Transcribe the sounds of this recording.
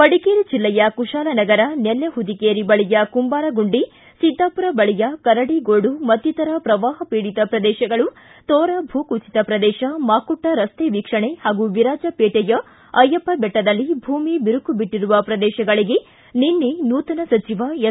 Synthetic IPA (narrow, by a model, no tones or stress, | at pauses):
pɐɽikeːɾid͡ʒilːɐjɐkuʃaːlɐnɐɡɐɾɐnelːɐɦud̪ikeːɾibɐɭijɐkumbaːɾɐɡuɳɖi | sid̪ʱːaːpuɾɐbɐɭijɐkɐɾɐɽiɡoːɽumɐt̪jit̪ɐɾɐpɾɐʋaːɦɐpiːɽit̪ɐpɾɐd̪ɛːʃɐɡɐɭu | t̪ɔːɾɐbʱuːkut͡ʃi̥t̪ɐpɾɐd̪ɛːʃɐmaːkuʈːɐɾɐst̪eːʋikʂɐɳehaːɡuʋiɾaːd͡ʒɐpeːʈɛjɐ | ɐjːɐpːɐbɛʈːɐd̪ɐlːibʱuːmibiɾukubiʈːiɾuʋɐpɾɐd̪ɛːʃɐɡɐɭiɡe | ninːinuːt̪ɐnɐsɐt͡ʃiʋɐ